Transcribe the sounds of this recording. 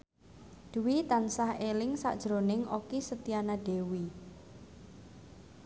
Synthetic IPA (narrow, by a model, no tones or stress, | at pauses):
d̪̥uwit̪ansahelɪŋsa̰ʔd̥ʒ̥ɾonɪŋokisət̪ianaɖ̥e̤wi